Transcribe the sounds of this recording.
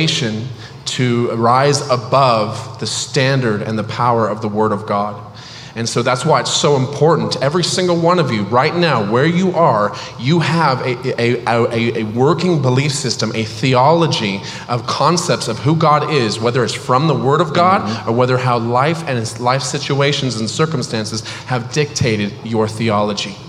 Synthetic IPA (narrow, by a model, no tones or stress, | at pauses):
ɪʃɨ̃n | tʰɨɹaɪzəbʌvðɨstæ̃ndə˞ɾɨ̰̃nðɨpʰaʊə˞ʌvðəwɜ˞ɾʌvɡɑɾ | ɨ̃nsoʊðætswaɪɨtsoʊə̃mpʰɔɹʔn̩tʰɛvɹisɪ̃ŋɡl̩ˠwʌ̃nʌvjɨɹaɪtⁿnaʊwə˞jɨʔə˞ | jɨəvɨɨəʔɨʔɨwɜ˞kɪ̃ŋbəlifsɪstɨ̃mʔɨθiɑlˠəd͡ʒi | ʔʌv̥kʰɑ̃nsɛp̚tsʌv̥ɦuɡɑɾɪzwɛðə˞ɨtsfɹʌ̃mðəwɜ˞ɾʌvɡɑɾə˞wɛðə˞ɦaʊlaɪfɨ̃nzlaɪfsɪt͡ʃueɪʃn̩z̃n̩sɜ˞km̩stæ̃nsɨz̥ | hɨvdɪk̚tʰeɪɾɨd̚jə˞θiɑlˠəd͡ʒi